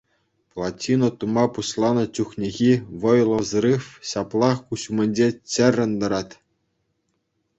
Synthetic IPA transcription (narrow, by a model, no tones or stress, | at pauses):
plˠɑtʲinŏt̪umɑpuɕlˠɑnɤ̆t͡ɕuxnʲeɣʲiʋɤ̆jlˠɤ̆zɾɯfɕɑplˠɑχkuɕumʲɘ̆nʲd͡ʑet͡ɕɘ̆rʲːɘ̆nd̪ɤ̆ɾɑt̪ʲ